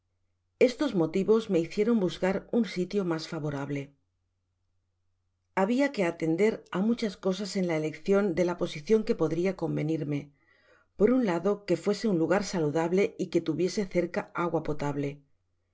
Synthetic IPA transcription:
e̞st̪o̞zmo̞t̪iβo̞zme̞iθje̞ɾo̞mbuzkaɾunsit̪jo̞masfaβo̞ɾaβ̞le̞ | aβ̞iake̞at̪e̞nd̪e̞ɾamut͡ʃasko̞s̬ase̞nlaele̞kθjo̞nd̪e̞lapo̞siθjo̞ŋke̞po̞ðɾiako̞mbe̞niɾme̞ | po̞ɾunlaðo̞ke̞fwe̞se̞unluɣ̞aɾsaluðaβle̞ike̞t̪uβje̞se̞θe̞ɾkaaɣwapo̞t̪aβle̞

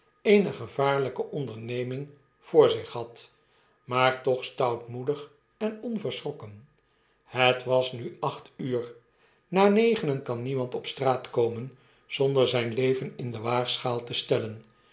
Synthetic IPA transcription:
ejnəχəvaːɹləkəʔɔndəɹnejmɪŋ | v̥ʊːɹzɪχɦɑt | maːɹtɔχstʌwtmudəχ | ɛnɔnvəɹsrɔkən | hətʋɑsnyʔɑχtyːr | naːnejχənənkɑnːimɑntɔpstraːtkowmən | z̥ɔndəɹzɛjnlejvənɪndəʋaːχsχaːlˠtəstɛlən

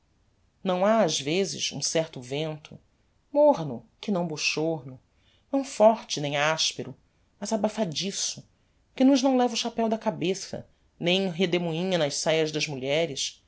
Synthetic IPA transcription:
nɐ̃w̃aːzvezɪ̰ʃṵ̃sɛɾt̪ʊvẽnt̪ʰʊ̰ | moɦnʊkɪnɐ̃w̃boʃoɦnʊ | nɐ̃w̃fɔɾt͡ʃɪnẽj̃aʃpeɾʊ | mɐzabafad͡ʒisʊ | kɪnʊʒnɐ̃w̃lɛvɐʊʃapɛwd̪ɐkabesɐ̰ | nẽj̃ɦed̪emuĩɲɐnɐʃsajɐzd̪ɐzmuʎɛɾɪʃ

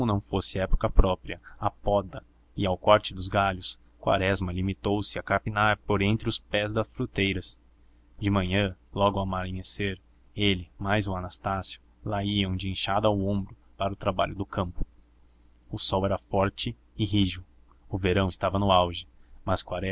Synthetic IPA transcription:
komʊnɐ̃w̃fosɪɛpo̥kɐpɾɔpɾiɐapɔd̪ɐ | ɪawkɔɾt͡ʃɪd̪ʊzɡaʎʊs | kwa̰ɾɛzmɐlimit̪owsɪɐkaɾpinaɾpoɾẽnt̪ɾɪʊspɛzd̪ɐsfɾut̪ejɾɐs | d͡ʒɪmɐ̃ɲɐ̃lɔɡʊamaliɲeseɾ | elɪmajzʊanast̪asijʊ | laiɐ̃w̃d͡ʒɪẽʃad̪ʊawõmbɾʊ | paɾɐʊt̪ɾaba̰ʎʊd̪ʊkɐ̃mpʊ̥ | ʊsɔwɛɾɐfɔɾt͡ʃɪ | ɪɦiʒʊ | ʊveɾɐ̃w̃ɪst̪avɐnʊawʒɪmɐskwaɾɛ

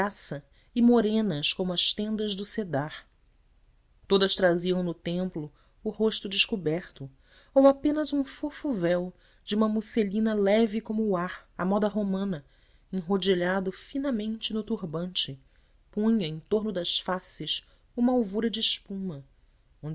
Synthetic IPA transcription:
asɐ | ɪmoɾẽnɐskõmʊɐʃt̪ẽnd̪ɐzd̪ʊsed̪aɾ | t̪od̪ɐst̪ɾaziɐ̃w̃nʊt̪ẽmplʊː | hoʃt̪ʊd͡ʒɪʃkubɛɾt̪ʊ | owapẽnɐzũfofuvɛw | d͡ʒɪũmɐmuselĩnɐlɛvɪkõmʊːaɾɐmɔd̪ɐɦomɐ̃nɐ | ẽŋ̃ɦod͡ʒiʎad̪ʊfinɐmẽnt͡ʃɪnʊt̪uɾbɐ̃nt͡ʃɪ | pũɲɐẽt̪oɾnʊd̪ɐsfasɪs | ũmɐawvuɾɐd͡ʒːʃpũmɐ | õ

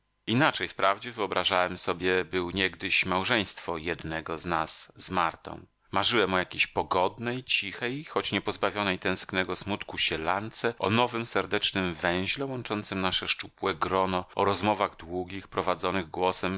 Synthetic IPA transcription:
inat͡ʂɛjfpɾavd͡ʑɛvɘɔbɾaʐawɛmsɔbʲjɛbɘwɲɛɡd̪ɘɕmawʐɛj̃st̪fɔjɛd̪nɛɡɔznasːmaɾt̪ɔ̰̃w̃ | maʐɘwɛmɔjakʲeɕpɔɡɔd̪nɛjt͡ɕixɛjxɔt͡ɕɲɛpɔzbavʲjɔnɛjt̪ɛ̃w̃sknɛɡɔsmut̪kuɕɛla̰nt̪sɛʔɔ̰nɔvɘmsɛɾd̪ɛt͡ʂnɘmvɛ̃w̃ʑlɛwɔnt͡ʂɔnt̪sɘmnaʂɛʂt͡ʂupwɛɡɾɔnɔɔɾɔzmɔvaɣd̪wuɡʲixpɾɔvad̪zɔnɘɣɡwɔsɛm

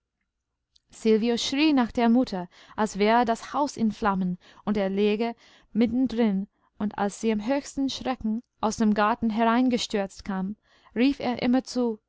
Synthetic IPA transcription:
sɪlvioʃʁ̥iːnaχxd̥eːɐmʊtʰɐ | ʔalsv̥ɛːʁədashaʊsɪnflamən | ʊnteːɐleːɡə | mɪtn̩dʁɪn | ʊnta̰lsz̥iːamɦøːçstn̩ʃʁ̥ɛkŋ̩ʔaʊsd̥eːmɡaɐtn̩ɦɛʁaɪ̃nɡəʃtʏɐt͡stkʰaːm | ʁiːfḛːɐʔɪ̰mɐt͡suː

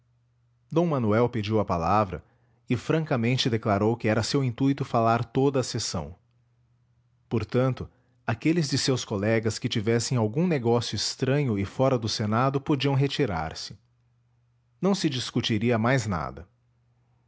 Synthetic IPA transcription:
d̪õw̃mɐnuɛwped͡ʒiwɐpalavɾɐ̰ | ɪfɾɐ̃ŋkɐmẽnt͡ʃɪd̪eklaɾowkɪɛɾɐsewĩnt̪uit̪ʊfalaɾt̪od̪ɐːsesɐ̰̃w̃ | poɾt̪ɐ̃nt̪ʊ | akelɪzd͡ʒ̪ɪsewskolɛɡɐskɪt͡ʃivɛsẽj̃awɡũneɡɔsjʊɪst̪ɾɐ̃ɲʊɪfɔɾɐd̪ʊsenad̪ʊpod͡ʒiɐ̃w̃ɦet͡ʃiɾa̰ɾsɪ̥ | nɐ̃w̃sɪd͡ʒiskut͡ʃiɾiɐmajzna̰d̪ɐ

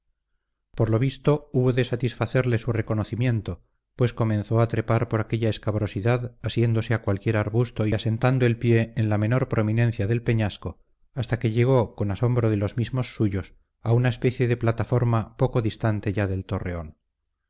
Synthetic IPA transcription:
po̞ɾlo̞β̞ist̪o̞uβo̞ðe̞sat̪isfaθe̞ɾle̞sure̞ko̞no̞θimje̞nt̪o̞ | pwe̞sko̞mẽ̞nθo̞at̪ɾe̞paɾpo̞ɾake̞ʎae̞skaβɾo̞siðaðasje̞nd̪o̞se̞akwalkje̞ɾaɾβust̪o̞iase̞nt̪and̪oe̞lpje̞ːnlame̞no̞ɾpɾʔo̞mĩne̞n̟θjaðe̞lpe̞ɲasko̞ | ast̪ake̞ʎe̞ɣ̞o̞ko̞naso̞mbɾo̞ðe̞lo̞zmizmo̞sːuʝo̞s | aunaespe̞θje̞ðe̞plat̪afo̞ɾmapo̞ko̞ðist̪ant̪e̞ʝaðe̞lt̪o̞re̞o̞n

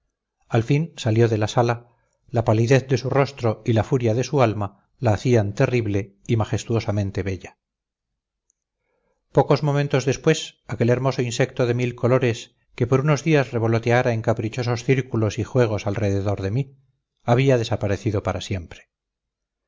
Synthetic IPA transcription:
alfinsaljo̞ðe̞lasala | lapaliðe̞θd̪e̞suro̞st̪ɾo̞ilafuɾjaðe̞sualma | laːθiant̪eriβle̞ | imaχe̞st̪uo̞samẽ̞nt̪e̞βeʎa | po̞ko̞zmo̞mẽnt̪o̞zðe̞spwesake̞le̞ɾmo̞soinsek̚t̪o̞ðe̞milko̞lo̞ɾe̞s | ke̞po̞ɾuno̞zðiazre̞β̞o̞lo̞t̪eaɾae̞ŋkapɾit͡ʃo̞so̞sθiɾkulo̞sixwe̞ɣ̞o̞salre̞ðe̞ðo̞ɾðe̞mi | aβ̞iaðe̞sapaɾe̞θiðo̞paɾasje̞mpɾe̥

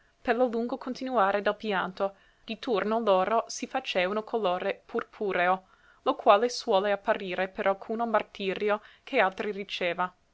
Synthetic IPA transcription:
perloluŋɡokʰont̪inuaːɾed̪ɛlpjant̪o | d̪̥it̪urnoloːɾosifat͡ʃeːvanokʰoloːɾepʰurpʰuːɾeo | lokwaːleswɔːleapːaɾiːɾepeɾʔalkʰuːnomart̪iːɾjokʰealt̪ɾirit͡ʃeːva

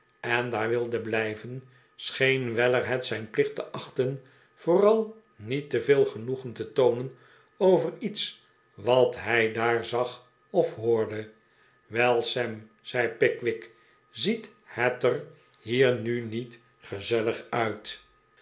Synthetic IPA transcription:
ɛnd̪aːɹʋɪlˠdəblɛjvən | sχejnʋɛlərɦɛtsɛjnplɪχtəʔɑχtən | v̥ʊːrɑlˠ | nitəvɪːlˠχənuχəntətownən | owvərits | ʋɑtɦɛjdaːɹzɑχ | ɔfɦʊːɹdə | ʋɛlˠsɛm | z̥ɛjpɪkʋɪk | zithɛtər | hiːɹnynit | χəzɛləχœɥt

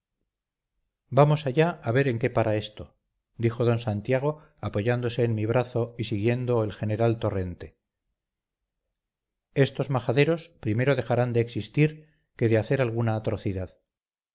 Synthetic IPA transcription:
bamo̞saʝaaβe̞ɾe̞ŋke̞paɾae̞st̪o | d̪ixo̞ð̞o̞nsant̪jaɣ̞o | apo̞ʝand̪o̞se̞ːnmiβɾaθo̞isiɣje̞nd̪o̞elxe̞ne̞ɾalt̪ore̞nt̪e̞ | e̞st̪o̞zmaxaðe̞ɾo̞spɾime̞ɾo̞ðe̞xaɾand̪eːksist̪iɾ | ke̞ðeaθe̞ɾalɣunaːt̪ɾo̞θiðað

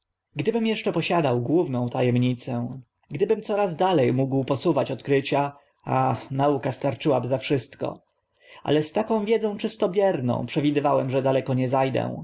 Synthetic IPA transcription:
ɡd̪ɘbɘmjɛʂt͡ʂɛpɔɕad̪awɡwuvnɔ̃w̃t̪ajɛmɲit̪sɛ̃ | ɡd̪ɘbɘmt̪sɔɾazd̪alɛjmuɡwpɔsuvat͡ɕɔt̪kɾɘt͡ɕa | anaukast̪aɾt͡ʂɘwabɘzafʂɘst̪kɔ̰ | ʔa̰lɛst̪akɔ̃w̃vʲjɛd̪zɔ̃w̃t͡ʂɘst̪ɔbʲjɛɾnɔ̰̃w̃pʂɛvʲid̪ɘvawɛmʐɛd̪alɛkɔɲɛzajd̪ɛ̰w̃

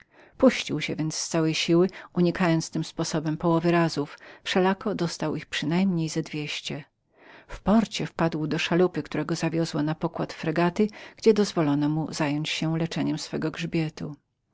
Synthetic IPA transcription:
puɕt͡ɕiwɕɛvʲjɛnt̪st̪sawɛjɕiwɘuɲikajɔnt̪st̪ɘmspɔsɔbɛmpɔwɔvɘɾazuffʂɛlakɔd̪ɔst̪awixpʂɘnajmɲejzɛd̪vʲjeɕt͡ɕɛ | fpɔɾt͡ɕɛfpad̪wd̪ɔʂalupɘkt̪uɾɛɡɔzavʲjɔzwɔnapɔkwat̪fɾɛɡat̪ɘɡ̥d͡ʑɛd̪ɔzvɔlɔnɔmuzajɔɲt͡ɕɕɛlɛt͡ʂɛɲɛmsfɛɡɔɡʐbʲjɛt̪ṵ

